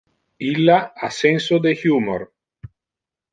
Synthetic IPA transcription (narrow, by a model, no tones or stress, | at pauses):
ilːaasensod̪exjumo̰ɾ